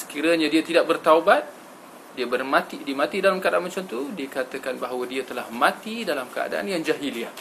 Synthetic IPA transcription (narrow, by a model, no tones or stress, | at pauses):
sə̥kiɾaɲadiat̪idaʔ̚bərt̪aubat̪̚ | diabərmãt̪idiəmãt̪idalamkəadaʔanmat͡ʃamt̪udiakat̪əkanbaɦawadiat̪əlahmãt̪idalamkəa̰da̰ʔa̰njaŋd͡ʒaɦiliah